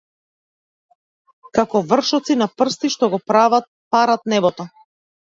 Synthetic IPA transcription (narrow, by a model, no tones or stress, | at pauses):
kakɔvr̩ʃɔt̪sinapr̩st̪iʃt̪ɔɡɔpɾavat̪̚ | paɾat̪nɛbɔt̪ɔ